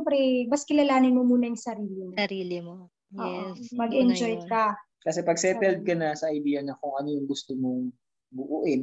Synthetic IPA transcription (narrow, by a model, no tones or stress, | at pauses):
bɾɛbɐskɪlɐlaːnɪnmomuːnɐjʊŋsɐɾiːlɪmoɐɾiːlɪmo | oːɛʔomɐɡʔɛnd͡ʒojkɐ | kɐsɛpɐɡsɛpɛld̪̚kɐnɐsɐʔɐjd̪iːjɐnɐkʊŋʔɐnojʊŋɡʊst̪omoŋ | bʊʔuʔɪn